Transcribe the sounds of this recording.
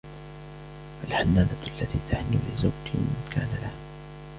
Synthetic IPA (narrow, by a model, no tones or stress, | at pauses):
falħanːaːdaalːat̪iːt̪ʰaħnilɪzawd͡ʒmɪnkʰa̰ːnalaha